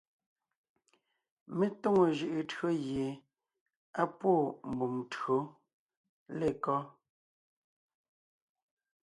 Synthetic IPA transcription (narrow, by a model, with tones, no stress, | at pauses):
me˦to˦ŋo˨ʒɯ˨ʔɯ˨tɰo˦ɣje˨ | a˦pwo˦˨m˨bu˨mtɰo˨˦ | le˦˨kɔ˦